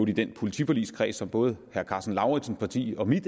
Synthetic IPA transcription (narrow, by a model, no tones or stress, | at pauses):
ʊd̥id̥enpʰo̝lit͡sʰipʰɐlḭːskʰʁɛ̰ːsɒ̽mb̥ɔ̽ːð̞̩ˠhæɐkʰɑ̈ːsn̩lɑ̈ʊʁi̥sn̩spʰɑ̈t͡sʰḭːɒ̽mid̥